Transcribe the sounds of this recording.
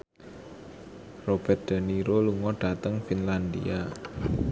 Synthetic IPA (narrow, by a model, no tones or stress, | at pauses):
rob̥ɛt̪̚d̪̥ə̤niɾoluŋɔɖ̥a̤t̪əŋfinland̪ḭa